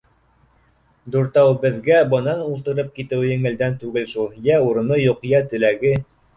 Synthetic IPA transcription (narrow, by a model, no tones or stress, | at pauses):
d̪uɾt̪ɑwbɘ̆ðɡæbɤ̆nɑnulˠt̪ɤ̆ɾɤp̚kit̪ɘwjɘ̆ŋɘ̆ld̪ænt̪ʉɡɘlʃulˠjæuɾɤ̆nɤjuqjæt̪ɘ̆læɡɘ